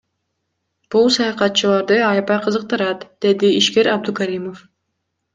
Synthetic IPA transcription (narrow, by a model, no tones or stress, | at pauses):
b̥ulˠsɑjɑqɑt̪̚t͡ʃɯlˠɑɾd̪ɯɑjpɑjqʰɯzɯq̚t̪ɯɾɑt̪d̪̥e̞d̪iːʃke̞ɾɑb̚d̪ukaɾʲimo̞f